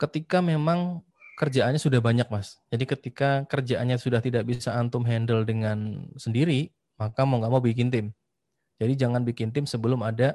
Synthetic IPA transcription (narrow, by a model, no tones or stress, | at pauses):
kət̪ikamemaŋ | kərd͡ʒaanɲasudahbaɲak̚masd͡ʒadikət̪ikakərd͡ʒaʔanɲasudaht̪idak̚bisaːnt̪ʊmɦɛndəldəŋansəndiɾi | makamoŋɡaʔmawbikɪnt̪ɪm | d͡ʒadid͡ʒaŋanbikɪnt̪ɪmsəbəlʊmada